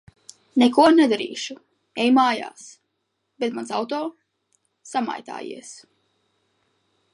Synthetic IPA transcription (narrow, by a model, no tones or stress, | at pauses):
nɛkuɔnɛd̪aɾḭːʃu | ɛjmaːja̰ːs | bet̪mansawt̪ɔː | sama̰jt̪a̰ːjḭɛs